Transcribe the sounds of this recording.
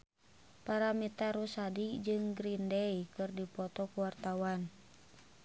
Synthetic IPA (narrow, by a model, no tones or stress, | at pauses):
paɾamit̪aɾusadid͡ʒɨŋɡɾindɛikɨrdipɔt̪ɔkuwart̪awan